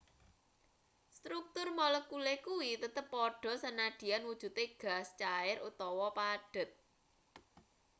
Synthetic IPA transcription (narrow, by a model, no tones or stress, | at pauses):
st̪ɾuk̚t̪ʊrmɔləkulekuwit̪ət̪əpːɔɖ̥ɔ̤sənaɖ̪̥i̤janwud̥ʒ̥ṳt̪eɡ̥a̤st͡ʃaɪɾut̪ɔwɔpaɖ̥ə̤t̪̚